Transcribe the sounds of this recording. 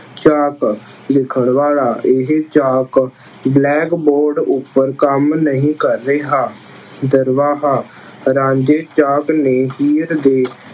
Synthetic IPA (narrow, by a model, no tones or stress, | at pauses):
t͡ʃaːk | lɪkʰəɳ̃ʋaːlaːʔɪɦet͡ʃaːk | blɛːkboːɾɖʊpːəɾkəmnəɦĩːkəɾːeːɦaː | d̪əɾʋaːɦaː | ɾãːɲd͡ʒeːt͡ʃaːkneːɦiːɾd̪eː